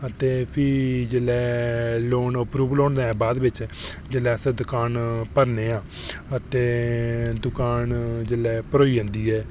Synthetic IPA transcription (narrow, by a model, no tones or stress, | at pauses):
ət̪eːpʰɪd͡ʒelɛːloːɳəpɾuːʋloːɳd̪aːɛːbaːd̪ʋɪt͡ʃ | d͡ʒelɛːsed̪ʊkaːnpəɾneːãː | ət̪eːd̪ʊkaːnd͡ʒelɛːpəɾoːiːə̃nd̪iːɛː